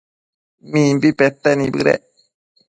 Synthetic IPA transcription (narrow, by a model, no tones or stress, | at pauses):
mĩːmbipet̪ːenĩbɨ̰ɾḛ